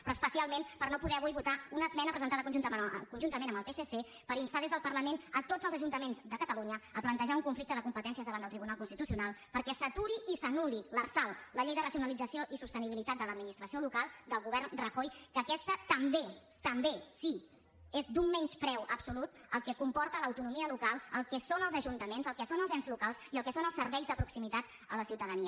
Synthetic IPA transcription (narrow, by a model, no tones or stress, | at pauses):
pɾɔəspəsialˠmenpəɾnopuðɛəβujβut̪aunəzmɛnəpɾəzənt̪aðəkunʒunt̪əkunʒunt̪əmenəmbəlˠpesese | pəɾinst̪aðezðəlˠpəɾləmenət̪od͡zəlˠzəʒunt̪əmenzd̪əkət̪əluɲəəplənt̪əʒauŋkuɱflik̚t̪əðəkumpət̪ɛns̬iəzðəβand̪əlˠt̪ɾiβunalˠkunst̪it̪usiunalˠpəɾkɛsət̪uɾiːsənulilərsalˠləʎɛjðərəsiunəlid͡zəsioʔisust̪əniβilit̪at̪̚d̪ələd̪minist̪ɾəsiolukalˠd̪əlˠɣuβ̞ɛrnrəxojkəkɛst̪ət̪əmbe | t̪əmbesi | ezd̪umːɛɲt͡ʃpɾɛwʔəbsulut̪ | əlˠkɛkumpɔɾt̪ələwt̪unumiəlukalˠəlˠkɛsonəlˠzəʒunt̪əmenzəlˠkɛsonəlˠzɛnzlukalˠsiəlˠkɛsonəlˠsəɾβɛjzðəpɾuksimit̪at̪ | ələsiwt̪əðəniə